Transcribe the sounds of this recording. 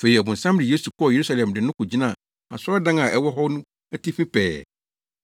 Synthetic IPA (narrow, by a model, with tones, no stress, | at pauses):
fe˨i˨æ˨bʊ̃˨n̩˨sã˦mdɪ˨je˦su˨kʰɔ˦˨je˨ɾu˦sa˦lɛ̃˨mdɪ˨nʊ̃˦kʊ˨d͡ʑi˦nã˦˨ | a̰˨sdã˦ŋã˨ʔɛ˦wɔ˦ɦɔ˦nʊ̃˦ | æ˦tʰi˦fĩ˦pɛː˨